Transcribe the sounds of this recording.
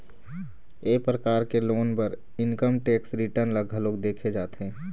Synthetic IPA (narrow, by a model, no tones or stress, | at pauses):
eːpɾəkaːɾkeloːnpəɾ | ɪnkəmʈeːksɾɪʈəɾnləɡʱəloːkd̪eːkʰed͡ʒaːt̪ẽː